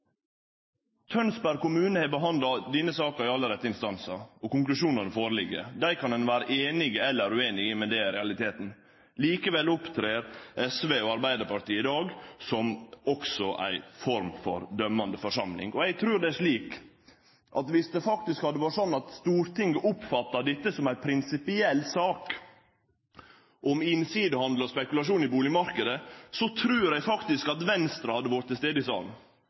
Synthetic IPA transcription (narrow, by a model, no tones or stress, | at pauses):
t̪ʰœnsbæɾkʊmʉːnəhɛbəɦɑnd̪lɑd̪ɪnəsɑːkəɾɪɑlːəɾɛt̪ːəɪnst̪ɑnsəɾɔkʊŋklʉʂuːnənəfoːɾəlɪɡə̰d̪æɪkʰɑnɛnʋæːɾəʔeːnɪɡəɛlːəɾʉeːnɪɡəmɛd̪ɛɾɛɑlɪt̪ʰeːt̪n̩ | liːkəʋɛlːʊpt̪ʰɾeːɾʔɛsʋeːoːɑɾbæɪd̪əɾpɑɾʈ̪iːɪd̪ɑːɡsɔmɔksɔʔæ̰ɪfɔɾmfɔɾd̪œmːɑnd̪əfɔʂɑmlɪ̰ŋɔɛɡ̚t̪ʰɾʉːɖ̪ɛæʂɭiːk | ʔɑ̰t̪ʋɪsd̪ɛfɑkt̪ɪskhɑd̪ːəʋɑːɾsɔnːɑt̪st̪uːɾt̪ɪŋɡəʔʊpfɑt̪ːɑd̪ɪt̪ːəsɔmæɪpʰɾɪnsɪpɪɛlːsɑːk | ʔɔmɪnsiːd̪əhɑnd̪lɔspɛkʉlɑʂ̬uːnɪbuːlɪmɑɾkəd̪əsɔt̪ʰɾʉːɾæfɑkt̪ɪskɑt̪ʋɛnst̪ɾɑhɑd̪ːəʋɔɾt̪ʰːɪst̪eːd̪əɪsɑ̰ːln